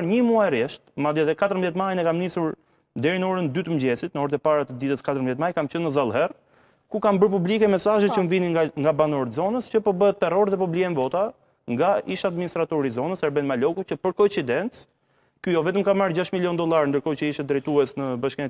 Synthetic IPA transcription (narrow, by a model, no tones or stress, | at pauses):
ɾɲəmuaɛrɛʃt̪mad̪iaðɛkat̪əɾmðjɛt̪majnɛkamnisuɾ | d̪ɛɾinəɔɾənd̪yt̪əmd͡ʑɛsit̪nəɔɾt̪ɛpaɾat̪əd̪it̪əskat̪əɾəmbðjɛt̪majkamt͡ɕənːəzalˠɦɛr | kukambəɾpublikɛmɛsaʒɛt͡ʃəmviniŋɡabanɔɾt̪zɔnəscəpɔbəɦɛt̪ːɛrɔɾðɛp̬ublikɛnvɔt̪a | ŋɡaiʃaːd̪minist̪ɾat̪ɔɾizɔnəsɛɾbɛnmalɔkut͡ɕəpəɾkɔt͡sid̪ɛnt͡s | kyjɔvɛt̪əmkamːaɾd͡ʑaʃmiljɔnd̪ɔlˠaɾnd̪əɾkɔt͡ɕəiʃt̪ɛd̪ɾɛjt̪uɛsnəbaʃkɛnɛ